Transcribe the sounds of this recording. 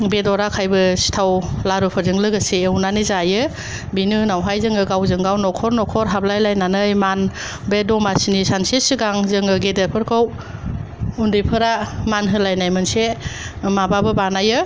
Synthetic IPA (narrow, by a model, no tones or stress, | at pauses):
bedɔɾakʰajbɯsi̥tʰawlaɾɯpʰɯɾzɯŋlɯɡɯseːwnanizajɯ | binɯnawɦajzɯŋɯɡawzɯŋɡawnɔkʰɔɾnɔkʰɔɾɦab̚lajlajnanɯjman | bedɔmasinisansisiɡaŋzɯŋɯɡedepʰɯɾkʰɯw | undipʰɯɾamanɦɯlajnajmɯnsemababɯbanajɯ